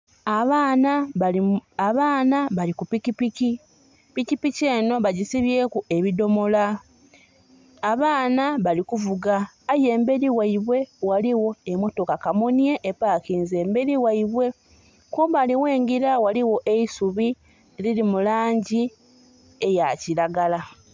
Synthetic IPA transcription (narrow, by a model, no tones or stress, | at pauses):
aβaːna | aβaːnaβalikupikipici | picipice̞ːno̞βaɟisiβje̞ːkue̞βido̞mo̞la | βaːnaβalikuvuɡaː | je̞ːmbe̞ɾiwaiβwe̞waliwo̞emo̞to̞kakamonje̞ʔepaːkiːnze̞ːmbe̞ɾiwaiβwe̞ | kombaliwe̞ːŋɡiɾawaliwo̞ʔeisuβi | lilimulaːɲɟi | e̞jaciɾaɡala